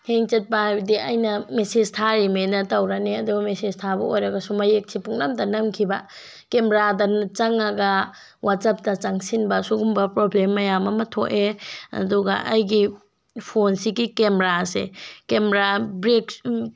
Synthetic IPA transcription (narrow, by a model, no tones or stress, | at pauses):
heŋt͡ʃɐt̚pabɐdiɐjnɐmesed͡ʒtʰaɾimenɐtɐwɾaneɐduɡɐmesed͡ʒtʰabɐojɾɐɡɐsumɐjek̚sipuŋnamtɐnɐmkʰibɐ | kemeɾadɐnt͡ʃɐŋɐɡɐ | wasɐp̚tɐt͡ʃaŋsinbɐsuɡumbɐpɾoblemːɐjamɐmɐtʰoʔeɐ̰duɡɐ̰ʔɐjɡi | pʰonsiɡikemɾasekemeɾabɾek